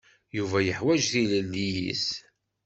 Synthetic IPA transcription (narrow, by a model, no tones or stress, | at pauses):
juvæjəħwæd͡ʒθiləlːijḭs